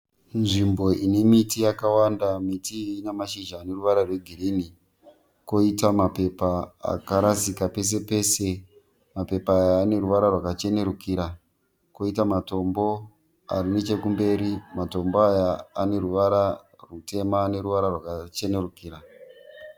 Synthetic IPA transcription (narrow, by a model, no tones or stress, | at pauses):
nʐimbo̞ʔine̞mitijakawandamitiːnemaʃiʒaːne̞ruʋaɾarwe̞ɡʱirini | ko̞itamape̞pa̰ːkaɾasikape̞s̬e̞pe̞se | mape̞paːjaːne̞ɾuʋaɾarwakat͡ʃe̞ne̞ɾukiɾa | ko̞itamato̞mbo̞ | a̰rine̞t͡ʃe̞kumbe̞ːɾimato̞mboajaːne̞ɾuʋaɾa | rute̞maːne̞ɾuʋaɾarwakat͡ʃe̞ne̞rukiːɾa